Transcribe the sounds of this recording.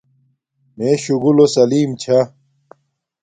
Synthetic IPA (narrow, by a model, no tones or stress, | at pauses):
meːɕuɡulosɐliːmt͡ɕʰɐ